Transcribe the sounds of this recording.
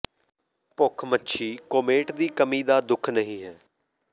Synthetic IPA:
pʊkʰmətːʃʰiːkoːmeːʈd̪iːkəmiːd̪aːd̪ʊkʰnəɦĩːɦɛː

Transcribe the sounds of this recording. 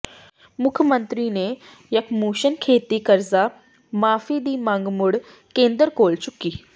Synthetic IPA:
mukʰjəmənt̪ɾine | jakmuɕənkʰet̪iːkəɾd͡za | mafid̪iːmãŋɡmuɽ | kẽnd̪əɾkolt͡ɕukːiː

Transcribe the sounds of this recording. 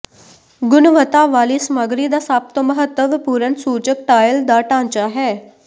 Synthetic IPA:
ɡunʋət̪aʋalisməɡɾiːd̪asaːp̚t̪əməɦət̪ːəʋpuɾənsuːt͡ɕək̚ʈajəld̪aːʈãnt͡ɕaɦe

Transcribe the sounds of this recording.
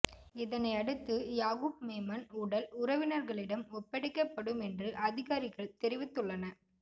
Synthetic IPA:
ɪðɐnɐɪɐɽɯt̪ːɯjaːɣub̚meːmɐnuːɽɐlʊɾɐʋɪnɐɾɣɐɭɪɽɐmɔpːɐɽɪkːɐpːɐɽɯmɛndrɯʔɐðɪɣaːɾɪɣɐɭt̪ɛɾɪʋɪt̪ːɯɭːɐnɐ

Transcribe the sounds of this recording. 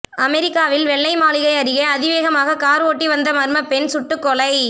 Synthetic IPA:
ɐmɛɾɪkːaːʋɪlʋɛɭːɐɪmaːlɪɣɐɪɐɾɪɣɐɐðɪʋeːɣɐmaːɣɐkaːɾoːʈːiʋɐnd̪ɐmɐɾmɐpɛnsʊʈːɯkːɔlɐɪ

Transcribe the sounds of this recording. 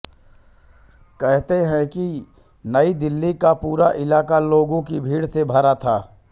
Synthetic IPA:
kɛɦt̪eɦɛ̃ki | nɐid̪ɪlːikapuːɾaʔɪlaːkaloːɡõkibʱiːɽsebʱɐɾat̪ʰaː

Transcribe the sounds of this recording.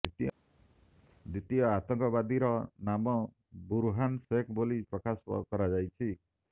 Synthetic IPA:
it̪i | d̪it̪ijɔat̪ɔŋkɔbad̪iɾɔnamɔ | buɾuɦansekbolipɾɔkasɔ̰kɔɾad͡ʒajt͡ʃʰi

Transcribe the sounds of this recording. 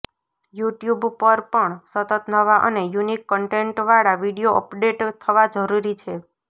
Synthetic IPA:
juʈjubpəɾpəɳsət̪ət̪nəʋaʔə̰nejunikːəɳʈeɳʈʋaɽaʋiɽijoʔəpɖeʈt̪ʰəʋad͡ʒəɾuɾit͡ʃʰe

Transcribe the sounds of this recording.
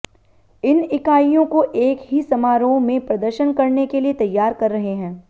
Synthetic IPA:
ɪnɪkaːijõkoʔeːkɦisɐmaːɾõmẽpɾɐd̪əɾʃənkɐɾnekeliet̪ɐjːaːɾkɐɾːɐɦeɦɛ̃ː

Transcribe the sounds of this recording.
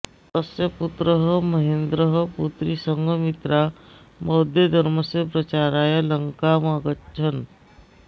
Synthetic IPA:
t̪əsjəput̪ɾəɦəməɦend̪ɾəɦəput̪ɾisəŋɡʱəmit̪ɾa | mɔd̪ʱjed̪ʱəɾməsepɾət͡ʃaɾajaləŋkamaɡət͡ʃʰən

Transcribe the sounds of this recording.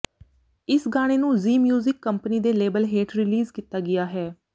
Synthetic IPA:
ɪsɡaːɽ̃eːnũːziːmjuːzɪkːəmpəniːd̪eːleːbəlɦeːʈɾɪliːzkiːt̪aːɡɪjaːɦɛː

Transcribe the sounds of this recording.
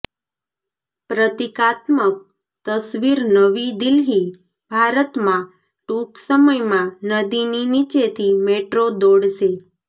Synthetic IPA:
pɾət̪ikat̪mək̚ | t̪əsʋiɾnəʋid̪ɪlɦi | bʱaɾət̪mã | ʈuksəməjmãnəd̪ininit͡ʃet̪ʰimeʈɾod̪oɽʃe

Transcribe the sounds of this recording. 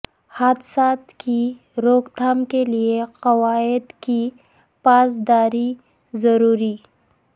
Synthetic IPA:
haːd̪saːt̪ki | ɾoːkt̪ʰaːmkelieqɐwaːɪd̪ki | paːzd̪aːɾi | zɐɾuːɾi

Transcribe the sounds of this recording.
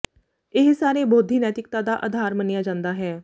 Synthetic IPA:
ɪɦsaːɾeːboːd̪ʱːiːnɛːt̪ɪk̚t̪aːd̪aːʔa̰d̪ʱaːɾmənɪjaːd͡ʒãːnd̪aːɦɛː

